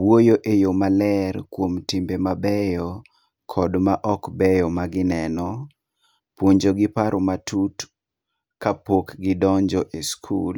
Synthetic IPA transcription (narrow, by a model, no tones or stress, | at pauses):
wojoʔejomalɛɾkwomtɪmbemabɛjɔ | kʰɔdmaʔɔkbɛjɔmaɡɪnɛnɔ | pwoɲd͡ʒoɡɪpaɾomatʰut | kapokɡɪdɔɲd͡ʒɔʔeskʰṵl